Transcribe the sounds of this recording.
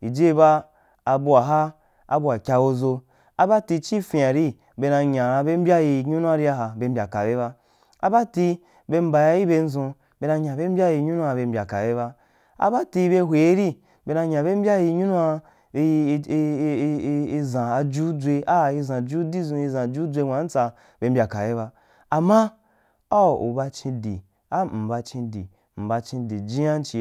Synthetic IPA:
i˨d͡ʒe˦i˧baː˦˧ | bu˧a˨ɦa˦ | a̰˨bu˧a˨kʲa˧wo˧zo˧ | a˦ba˦ti˧t͡ʃi˦fĩ˧˨a˨ɾi˦ | be˧nã˧ɲã˨a˧be˦m̩˦bʲa˦ji˧ɲu˦nũ˦a˦ɾi˦a˦ɦa˨be˧m̩˦bʲa̰˨ka̰˨be˦βa˦ | a̰˦ba˦ti˧ | be˧m̩˦ba˨ja˧˦i˦be˧n̩˦zõ˧ | be˧na˧ɲã˨be˦m̩˦bʲa˦ji˧ɲu˦nu˦a˧be˧m̩˨bʲa̰˨ka̰˨be˦βa˦ | a̰˦ba˦ti˧be˧ɦʷe˨˦ɾi˦ | be˧nã˧ɲã˨be˦m̩˦bʲa˦ji˧ɲu˦nũ˦a˧˦˧ | i˧zã˨a˧d͡ʒu˦d͡zʷe˧a˦˨i˧zã˨d͡ʒu˦di˦zõ˧i˧zã˨d͡ʒu˦d͡zʷe˧ŋʷ˨ã˨˦n̩˦t͡sa˧ | be˧m̩bʲa˨ka˨be˦βa˧ | a˨mã˦ | a˦˨ṵ˨ba˧t͡ʃĩ˧dḭ˨ | a˦m̩˨ba˧t͡ʃĩ˧dḭ˨ | m̩˨ba˧t͡ʃĩ˧di˨d͡ʒĩ˦a˦n̩˦t͡ʃi˨

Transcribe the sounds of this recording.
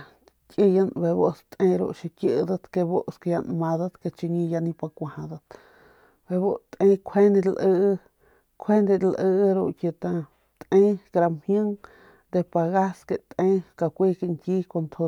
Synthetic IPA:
ki˦˧ja˧nbe˧βo˦ʔst̪ẽ˧ɾo̰˧ʔʃi˧kjʔd̪a˦˧t̪ke˧bo˦ʔske˧ja˧nmã˧d̪a˦t̪ke˧t͡ʃi˧ɲĩ˧ja˧nĩ˧pa˧kʷa˧˨hã˧d̪a˧t̪ | be˧˨βo˦t̪ʼẽ˧kʷʰe˦ni˧lʔə˧ | kʷʰe˦nd̪e˧lʔə˧ɾo˧ʔkje˧˨t̪ã˧ | t̪ʔẽ˦kɾa˧mhjə̃˦ŋ | d̪e˧pa˧ɣa˦ske˧t̪ʼẽ˦ka˧kʷi˦ke˧ŋki˦ko˧nt̪ʰo˧

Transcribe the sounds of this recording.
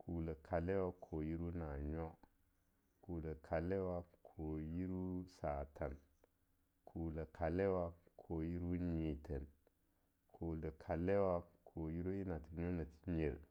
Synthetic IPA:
kʰu˨lə˨kʰa˨le˦wa˦kʰo˨ji˦ɾu˦na˨ɲo˦ | ku˨lə˨kʰa˨le˦wa˦kʰo˨ji˦ɾu˦sa˨tʰa˨n | kʰu˨lə˨kʰa˨le˦wa˦kʰo˨ji˦ɾu˦ɲi˨tʰe˨n | kʰo˨le˨kʰa˨le˦wa˦kʰo˨ji˦ɾu˦i˦na˨ti˨ɲo˦na˨ti̥˦ɲe˨ɾ

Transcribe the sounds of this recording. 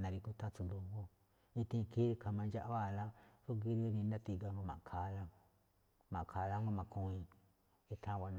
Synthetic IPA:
nã˨˧ɾi˧ku˦˧t̪a˦t͡su˧d̪u˧ɡo˦ | ĩ˧t̪ĩ˧ki˦˧kʰa˧mã˧nd͡ʒa˦ʔa˦βa˦˨˧la˦ɾu˦ɡi˦ɾo˦˧nĩ˧nã˦t̪i˧ɡa˧ŋɡo˧mã̰˨ʔkʰa˨˦˧la˦ | mã˨ʔkʰa˨˧la˦ŋɡo˦mã˧˨kũ˧ĩ˧ | e˧t̪ʰã˦˧βa˧n˧

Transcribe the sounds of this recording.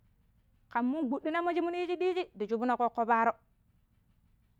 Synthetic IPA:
ka˨mːu˦nɡ͡bu˨ɗːi˦na˦mo˦d͡ʒi˦mu˦ni˦d͡ʒi˦ɗi˦d͡ʒi˦di˨d͡ʒu˦bu˦no˦ko˦kːo˦ba˦ɾo˦

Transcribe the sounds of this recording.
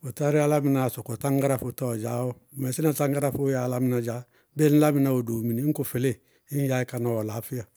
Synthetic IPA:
o˨ta˦ɾi˦a˦la˦mi˨na˨sɔ˨kɔ˨tã˦ŋɡa˦ɾa˦fo˨ta˦ɔ˨d͡ʒaː˨˦wo˦˨mɛ˨si˦na˨tã˦ŋɡa˦ɾa˦fo˦ja˨˦la˦mi˦na˨d͡ʒa˨˦ | be˦n̩˦la˦mi˨na˨o˨do˨mi˨ni˨˦ŋ˦ko˨fe˨le˦˨ | i˦ja˦i˦ka˨nɔ˨wɔ˨la˨˦fi˦ja˨

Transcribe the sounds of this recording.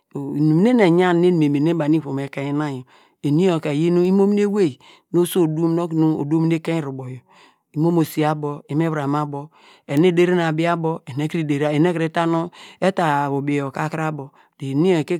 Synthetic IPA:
n˨mi˦ne˦ne˨ɲa˦n˦ne˦ni˨me˨me˨ne˦ba˨ni˦fo˨me˨ke˦i˦na˦jo˨ | e˨ni˦o˨ke˨je˦nu˦i˦mo˦m˦n˦e˦we˦˨i˨ | no˦so˦˨du˦m˦no˦knu˦o̰˨do˦mi˦ne˦ke˦ɾu˨bo˨jo˨ | i˦mo˦mo˨si˨a˦bo˨i˨˦m˦e˦βɾa˨ma˦bo˨ | e˨ne˦de˦ɾe˦n˨a˨bi˦a˦bo˦e˨ne˦kɾi˦de˨ɾe˨ne˦ke˦ta˦no˦e˦ta˨bo˨be˨jo˨ka˦ka˦bo˨ | de˨ni˦o˨ke˦

